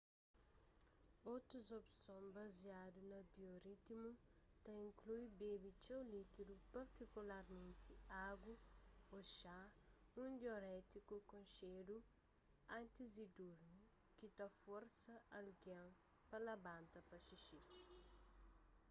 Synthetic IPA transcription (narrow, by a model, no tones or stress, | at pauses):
owt̪ɾuzopsõbɐziad̪unɐbioɾit̪imu | t̪ɐĩŋkluibebit͡ʃewlit̪id̪upɐɾt̪ikulaɾmẽnt̪ʰiaɡuoʃaũd̪joɾɛt̪ikukõʃed̪u | ɐ̃nt̪izid̪uɾnu | kit̪ɐfoɾsɐɐlɡɐ̃ | pɐlɐbãnt̪ɐpɐʃiʃi